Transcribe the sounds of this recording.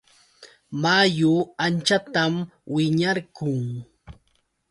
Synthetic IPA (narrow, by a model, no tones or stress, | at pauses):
majʊant͡ʃat̪amwɪɲaɾkʊŋ